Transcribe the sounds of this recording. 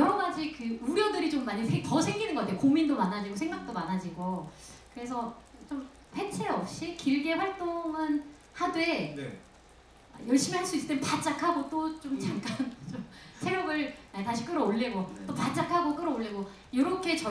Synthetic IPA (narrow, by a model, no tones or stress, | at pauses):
jʌɾʌmad͡ʑikɯuɾjʌdɯɾit͡ɕomːaɲisʰetʌsʰeŋɡinɯŋɡʌkatʰejokomindomanːad͡ʑiɡosʰeŋɡak̚t͈omanad͡ʑiɡo | kɯɾe̞sʰʌt͡ɕom | ɸʰe̞t͡ɕʰeʌp̚ɕ͈ikiɭɡe̞ɸwaɭt͈oŋɯn | hadwe̞n | a̰jʌɭɕ͈imihaɭs͈uisɨ̥t͈emnpat͡ɕ͈akʰaɡot͈ot͡ɕomt͡ɕaŋk͈ant͡ɕomsʰeɾjomɯɭataɕʰik͈ɯɾʌoɭːeɡot͈opat͡ɕ͈akʰaɡok͈ɯɾʌoɭːeɡo | jʌɾʌkʰe̞t͡ɕʌ